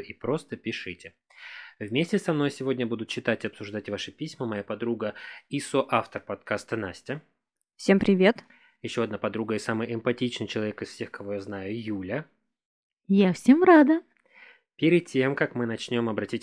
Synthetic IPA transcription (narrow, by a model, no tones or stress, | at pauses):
ipɾo̞st̪əpʲɪʂɨtʲɪ | vmʲesʲtʲɪsɐmn̪o̞jsʲɪvo̞dʲnʲəbud̪ʊt̪t͡ɕɪt̪atʲɪɐpsʊʐd̪atʲvaʂɨpʲisʲməmɐjapɐd̪ɾuɡəisoʔaft̪ərpɐt̪kast̪ənasʲtʲɪ | fsʲe̞mpɾʲɪvʲe̞t̪ | jɪɕːo̞ɐd̪napɐd̪ɾuɡəɪsamɨjɪmpɐtʲit͡ɕnɨjt͡ɕɪlˠɐvʲe̞kɨsfsʲe̞xkɐvo̞jaznajʊjulʲə | jafsʲemɾad̪ə | pʲɪɾʲɪd̪̚tʲːe̞mkakmɨnɐt͡ɕnʲo̞mɐbɾɐtʲitʲ